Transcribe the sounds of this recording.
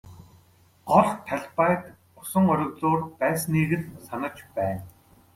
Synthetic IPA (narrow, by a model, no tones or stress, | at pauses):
ɢɔɮt̪ʰaɮpaːt̪ | ʊsə̆ŋɔɾʲɞ̆kt͡soːrpæːsniːɣɘ̆nsanə̆kt͡ɕpæːn